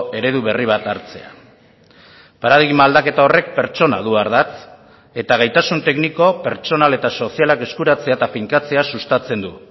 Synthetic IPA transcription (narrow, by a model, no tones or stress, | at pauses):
e̞ɾe̞ðuβe̞riβ̞at̪aɾt͡se̞̰a̰ | paɾaðiɣmaːld̪ake̞t̪ao̞re̞k̚pe̞ɾt͡ʃo̞na̰ð̞uaɾðat͡s | e̞t̪aɣ̞ajt̪asunt̪e̞kniko̞peɾt͡ʃo̞nale̞t̪aso̞sialake̞skuɾat͡se̞at̪afiŋkat͡se̞asust̪at͡se̞nd̪u